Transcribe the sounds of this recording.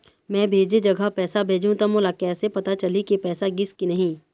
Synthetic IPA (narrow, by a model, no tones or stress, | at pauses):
mɛ̃ːbʱeːd͡ʒed͡ʒɐɡʱapɛːsabʱeːd͡ʒũt̪amolakɛːsepɐt̪at͡ʃɐlikipɛːsaɡɪskinɐɦĩː